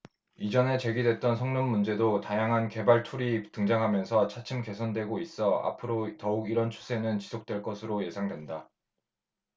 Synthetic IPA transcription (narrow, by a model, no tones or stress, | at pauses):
id͡ʑʌne̞t͡ɕe̞ɡidwe̞t̚t͈ʌnsʰʌŋnomːund͡ʑe̞dotajaŋɦanke̞baɭtʰuɾitɯŋd͡ʑaŋɦamjʌnsʰʌt͡ɕʰat͡ɕʰɯmke̞sʰʌndwe̞ɡois͈ʌa̰pʰɯɾotʌuɡiɾʌnt͡ɕʰu̥sʰe̞nɯnt͡ɕisʰok̚t͈we̞ɭk͈ʌsʰɯɾoje̞sʰaŋdwe̞nda